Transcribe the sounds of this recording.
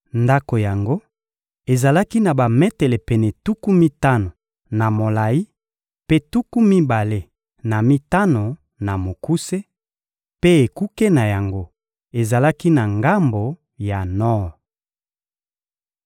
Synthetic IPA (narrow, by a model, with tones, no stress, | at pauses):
nda˦ko˨ja˨ŋɡo˦ | e˨za˨la˦ki˦na˨ba˨mɛ˦tɛ˨lɛ˨pɛ˨nɛ˨tu˦ku˦mi˦ta˦no˨ | na˨mo˨la˨i˦ | pe˦tu˦ku˦mi˦ba˨le˦ | na˨mi˦ta˦no˨ | na˨mo˨ku˦se˦ | pe˦e˨ku˦ke˦na˨ja˨ŋɡo˦ | e˨za˨la˦ki˦na˨ŋɡa˦mbo˨ | ja˨nɔ˦˨